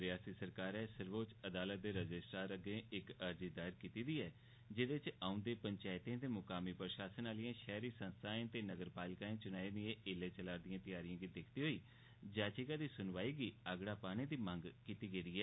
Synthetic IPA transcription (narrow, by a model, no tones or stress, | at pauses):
ɾɪjaːsiːsəɾkaːɾɛːsəɾʋoːt͡ʃəd̪aːlət̪̚d̪eːɾəd͡ʒɪsʈaːɾəɡẽːɪkəɾd͡ʒiːd̪aːɪɾkiːt̪iːd̪iːɛː | d͡ʒɪd̪et͡ʃaːʊ̃nd̪eːpəɲt͡ʃaːɪt̪ẽːt̪eːmʊkaːmiːpɾəʃaːsənaːlɪjãːʃɛːɾiːsə̃nst̪ʰaːẽt̪eːnəɡəɾpaːlɪkaːẽːt͡ʃʊnaːĩːd̪iẽːʔɪleːt͡ʃəlaːɾd̪ɪjãːt̪ɪjaːɾijãːɡid̪ɪkʰt̪iːɦoːiː | d͡ʒaːt͡ʃikaːd̪iːsʊnʋaːiːɡiːəɡɽaːpaːɽ̃ẽːd̪iːmə̃ŋɡkiːt̪iːɡeːd̪iːɛː